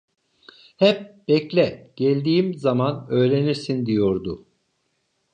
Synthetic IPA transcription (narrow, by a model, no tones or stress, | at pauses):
hɛp̚b̥ɛclʲɛɟ̥ɛlʲd̪iːimzamanø̞jɾe̞niɾsind̪ijoɾd̪ʊ